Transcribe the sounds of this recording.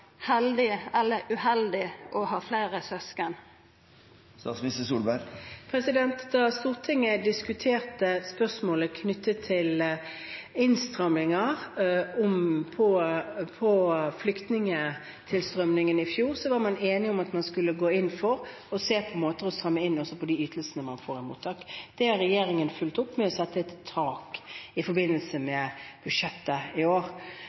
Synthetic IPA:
hɛld̪ɪɛlːəʉhɛld̪ɪʔɔhɑːflæɪɾəsœskən | st̪ɑ̰smɪsəsuːlbæɾpʰʁɛsɪd̪ɛnt̪d̪ɑst̪uːʁt̪ʰɪŋːəd̪ɪskʉt̪ʰeːʁt̪əspœʁsmoːləkʰnʏt̪ʰːət̪ʰːɪl | ɪnst̪ʁœmlɪŋɑʁɔmpʰɔpʰɔflʏkt̪nɪŋə | t̪ʰɪlst̪ɾœmnɪŋənɪfjuːɾsɔʋɑɾmɑneːnɪɔmɑt̪mɑnskʉlːəɡoːɪnːfɔɾ | ɔseːpʰɔmoːt̪əɾɔst̪ɾœmːəɪnːɔsɔpʰɔd̪iyːt̪ʰəlsənəmɑnfoːɾɪmṵːt̪ʰɑːkd̪̥ɛhɑɾːɛjeːɾɪŋənfʉlt̪ʊpːmɛɔsɛt̪ːəɛt̪ʰːɑːkɪfɔɾbɪnːəlsəmɛb̥ʉʂɛt̪ːəɪoːʁ

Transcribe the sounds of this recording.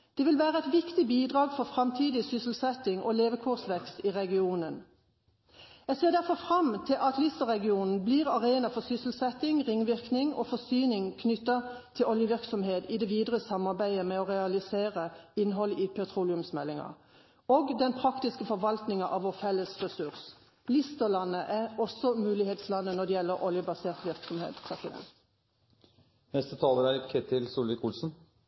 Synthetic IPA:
d̪̥ɛːʋɪlʋæːʁəɛɪt̪ʋɪkt̪ɪbiːd̪ʁɑːɡfɔʁfʁɑmt̪ʰiːd̪ɪsʏsl̩sɛt̪ɪŋʔo̰ːleːʋəkʰʊʁsʋɛkst̪iːʁɛɡɪuːnən | jæseːd̪æʁfɔfʁɑmt̪ʰɪlʔɑt̪lʏsɑʁɛɡɪuːnn̩bliːʁɑʁeːnɑfɔʁsʏsl̩sɛt̪ɪŋʁɪŋʋɪʁknɪŋoːfɔsyːnɪŋkʰnʏt̪ːɑt̪ʰɪlʔɔljəʋɪʁksɔmheːt̪id̪ɛʋiːd̪ʁəsɑmɑʁbæɪəmɛɔʁɛɑlɪseːʁəɪnːɦɔliːpʰɛt̪ʰʁuːlɪʉmsmɛlːɪŋɑ̰ | oːɡd̪ɛnpʰɾɑkt̪ɪskəfɔʋɑlt̪nɪŋɑʔɑʋoːfɛlːəsʁɛsʉʁs | lɪst̪əlɑnːəʔæɔsɔmʉːlɪheːt̪slɑnːənɔd̪ɛjɛlːəɾʔɔljəbɑseːʁt̪ʋɪʁksɔmhḛːt̪pʰʁɛsɪd̪ɛ̰nt̪ | hɛst̪ət̪ʰɑːləɾæɪkʰɛt̪ɪlsuːləkʰuːlsn̩

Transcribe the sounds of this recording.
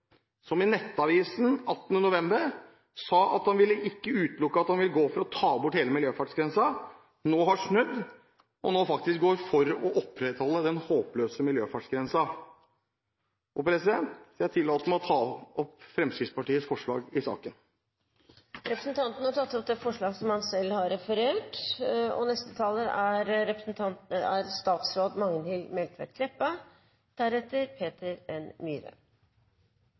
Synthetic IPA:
sɔmɪnɛt̪ːɑʋiːsnɑt̪ːnənʊʋɛmbəɾ | sɑːʔɑ̰t̪hɑnʋɪlːəʔɪkːəʉːt̪lʊkːəɑt̪hɑnʋɪlɡoːfɔɾɔt̪ʰɑːbʊʈheːləmɪljøːfæʈsɡɾɛnsɑ | noːhɑʂnʉd̪ː | ʔɔ̰noːfɑkt̪ɪsk̚ɡoːɾfɔɾɔʔɔpʰːɾɛt̪hɔlːəd̪ɛnhoːpløːsəmɪljøːfæʈsɡɾɛnsɑ | oːpɾɛsɪd̪ɛnt̪ːæt̪ʰɪlːɑːt̪əmɛɔt̪ʰɑːɔpfɾɛmsɾɪspʰɑʈiːəsfɔʂɭɑ̰ːɡɪsɑ̰ːkən | ɾɛpɾəsnt̪ʰɑnt̪ənəhɑʈʰɑt̪ːɔp̚d̪ɛfɔʂɭɑːɡsɔmhɑnsɛlːhɑɾɾɛfəɾeːʈɔ̰nɛst̪ət̪ʰɑːləʔæɾɾɛpɾəsnt̪ʰɑnt̪nəæɾst̪ɑːt̪sɾoːd̪mɑŋənhɪlmɛlt̪ʰʋæ̰ʈkʰlɛpːɑ | d̪̥æɾɛt̪ːəɾpʰeːt̪əɾɛnmyːɾə̰

